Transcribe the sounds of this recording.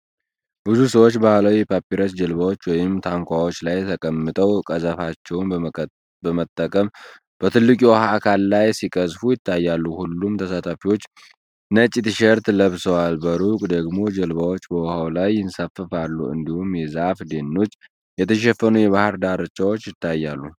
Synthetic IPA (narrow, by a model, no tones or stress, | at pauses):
bɨzusəwot͡ʃːbahlawipʰapːiɾəsd͡ʒəlβawo̞t͡ʃːwɔjɪmt̪ʰaŋkʷʰawo̞t͡ʃːlajt̪ʰəkʼəmːɨt̪ʼəwkʼəzəfat͡ʃːɛwn | bəmət̪ʼːəkʼəm | b̥ət̪ʰɨlːɨkʼiwɔhaːkʰalːajsikʼəzfujɪt̪ʰːajːalːuhulːumt̪ʰəsat̪ʰafiwo̞t͡ʃː | nət͡ʃʼit̪ɨʃɛɾt̪ləβsəwalbəɾukʼd̪əɡmo̞d͡ʒəlbawo̞t͡ʃːbəwɔhawlajːɪnsafəfalːṵɨ̰nd̪ihumjɛzafd̪e̞nːo̞t͡ʃː | jɛt̪ʰəʃ̬ɛfːənujɛβahɨɾd̪aɾɨt͡ʃːawot͡ʃːjɪt̪ʰːajːalːu